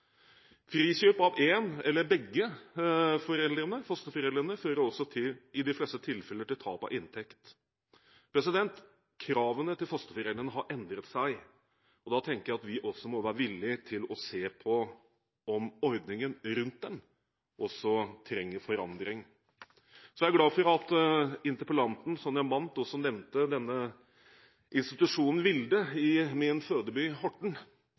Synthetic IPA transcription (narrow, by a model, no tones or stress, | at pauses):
fɾiːɕøːpɑʋeːnɛlːəɾbɛɡːə | fɔɾɛld̪ɾənəfœst̪əfɔɾɛld̪ɾənəføːɾəɾɔsɔt̪ʰɪlɪd̪ɪflɛst̪ət̪ʰɪlfɛlːəʈ̪ɪlt̪ʰɑːpɑ̰ʔɪnt̪ʰɛkt̪ | pʰɾɛsɪd̪ɛnt̪ | kʰɾɑːʋənət̪ɪlfœst̪əfɔɾɛlɾənəɦɑɾʔɛnd̪ɾət̪sæɪ | ɔd̪ɑt̪ʰɛŋkəjæɪɑt̪ʋɪʔɔsːɔmɔʋæːɾəʋɪlːɪt̪ʰɪlɔseːpʰɔ | ɔmɔɾd̪nɪŋənɾʉnt̪̚d̪ɛn | ʔɔsːɔt̪ʰɾɛŋːəɾfɔɾɑnd̪ɾɪŋ | sɔjææɾɡlɑːfɔɾɑt̪ɪnt̪əɾpəlɑnt̪n̩sɔmjæɪʋɑnt̪ɔsɔnɛʋnt̪əd̪ɛnːə | ʔɪnst̪ɪt̪ʉʂuːnn̩ʋɪld̪əɪmɪnføːd̪əbyhɔʈːɳ̩